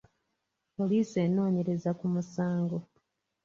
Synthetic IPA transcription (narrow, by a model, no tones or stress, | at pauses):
po̞liːsie̞no̞ːɲe̞ɾe̞zakumusaːŋɡo̞